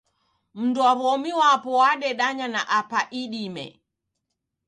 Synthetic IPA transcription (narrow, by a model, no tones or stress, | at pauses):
m̩nduaβɔmiwapɔwaɗɛɗaɲanaʔapaʔiɗimɛ̰